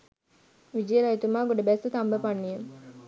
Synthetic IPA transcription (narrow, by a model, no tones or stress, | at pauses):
ʋid͡ʒelait̪umaːɡoɖɐbɛsut̪ambəpanːiem